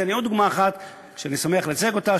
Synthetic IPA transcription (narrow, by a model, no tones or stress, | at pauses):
eaniotd̪uɡmaːχat̪ | kʃeanisomeaχlet͡seɡo̞t̪a